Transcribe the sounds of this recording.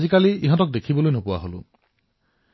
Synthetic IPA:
zikaliiɦɔ̃tɔk̚d̪ekʰibɔlojnɔpuwa̰ɦolṵ

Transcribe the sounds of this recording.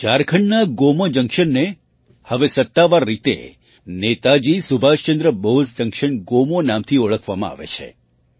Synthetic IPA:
t͡ʃaɾkʰəɳnaɡomod͡ʒəŋkʃənːe | həʋesət̪ːaʋaɾːit̪ḛ | net̪ad͡ʒisubʱaʃt͡ʃə̃nd̪ɾəboɦsd͡ʒəŋkʃəɳɡomonamt̪ʰioɭəkʰʋamãa̰ʋḛt͡ʃʰḛ

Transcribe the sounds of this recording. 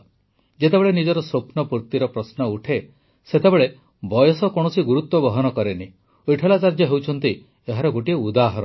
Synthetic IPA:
d͡ʒet̪ebeɭenid͡ʒɔɾɔsopnɔpuɾt̪iɾɔpɾɔsnɔuʈʰe | set̪ebeɭe | bɔjɔsɔkɔɽ̃ɔsiɡuɾut̪wɔbɔɦɔnɔkɔɾeni | iʈʰelat͡ʃaɾd͡ʒɔɦewt͡ʃʰɔnt̪i | eɦaɾɔɡoʈieud̪aɦɔɾɔ

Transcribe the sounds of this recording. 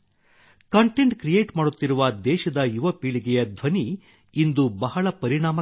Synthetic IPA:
kɐɳʈe̞ɳʈkɾijeːʈmaːɽut̪ːiɾuʋɐd̪ɛːʃɐd̪ɐjuʋɐpiːɭiɡɛjɐd̪ʱʋɐniː | nd̪ubɐɦɐɭɐpɐɾiɳaːmɐ

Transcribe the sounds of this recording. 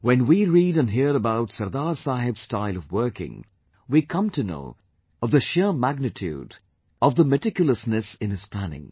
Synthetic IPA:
wɛ̃nwiɹiːɾə̃nɦiəɾəbaʊtsʌɾd̪aːɾsaɦɪbstaɪlˠʌvwɜ˞kɪ̰̃ŋ | wikʰʌ̃mtʰɨno̰ʊ | ʌvðəʃɪmæɡ̚nɨtʰjṵːd | ʌvðəmɨtɪkjl̩ˠəsnɨsɨ̃nɨz̥pʰl̥ænɪ̰̃ŋ

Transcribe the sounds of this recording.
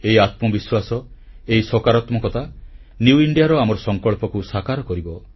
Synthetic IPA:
eiat̪mɔbiswasɔ | eisɔkaɾɔt̪mɔkɔt̪ʰa | njuuiɳɖijaɾɔamɔɾɔsɔŋkɔɭpɔkusakaɾɔkɔɾibɔ

